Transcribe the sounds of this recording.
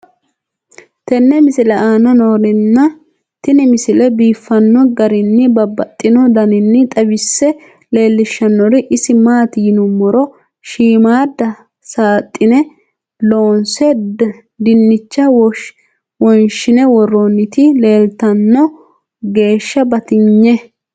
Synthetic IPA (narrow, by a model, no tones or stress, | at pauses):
t̪ɛnːɛmɪsɪlɐʔaːnɐnoːɾɪnːɐ | t̪ɪnɪmɪsɪlɛbiːfːɐnːɔɡɐɾɪnːɪbɐbːɐt̪ʼːɪnɔd̪ɐnɪnːɪt̪ʼɐbɪsːɛ | le̞ːlːɪʃːɐnːɔɾɪʔɪsɪmaːt̪jɪnʊmːɔɾɔ | ʃiːmaːd̪ːɐ | saːt̪ʼːɪnɛ | lo̞ːnsɛ | d̪ɪnːɪt͡ʃːɐw | wɔnʃɪnɛwɔrːonːɪt̪ɪle̞ːlt̪ɐnːɔ | ɡe̞ːʃːɐbɐt̪ɪɲːɛ